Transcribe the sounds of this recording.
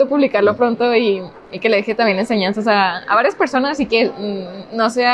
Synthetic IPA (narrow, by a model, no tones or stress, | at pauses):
opuβlikaɾlopɾo̞nt̪o̞iː | ke̞le̞ðixet̪ambje̞ne̞nse̞ɲãnsasaa̰βaɾjaspe̞ɾso̞nasike̞no̞se̞a